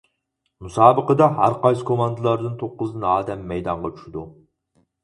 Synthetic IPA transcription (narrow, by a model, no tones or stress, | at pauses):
musɑːbəqəd̪ɑɦæ̰ɾqɑjsɨ̥kʰomɑnd̪ɨlˠɑɾd̪ɨnt̪ʰoqːʊzɨnɨɑːd̪ɛmːɛjd̪ɑɴʁɑt͡ʃʰy̥ʃɪd̪u